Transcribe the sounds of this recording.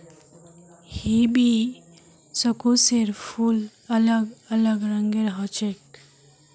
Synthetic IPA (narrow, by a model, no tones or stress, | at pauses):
hibi | səkoseɾfʰul | ɐləɡələɡɾəŋɡeɾɦɔt͡ʃek̚